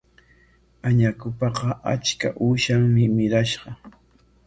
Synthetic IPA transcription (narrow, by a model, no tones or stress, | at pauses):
aɲakʊpɑqɑʔa̰t͡ʃka̰ʔuːʃaŋmɪmɪɾaʃɢɑ